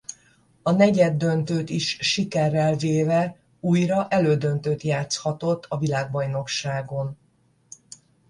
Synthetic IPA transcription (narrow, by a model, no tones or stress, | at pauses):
ɒnɛɟɛd̪ːø̞nt̪øːt̪iʃʃikɛrːɛlveːvɛ | uːjrɒʔɛløːd̪ønt̪øːt̪jaːt̪shɒt̪o̞t̪ʰːɒvilaːɡ̚bɒjno̞kʃaːɡo̞n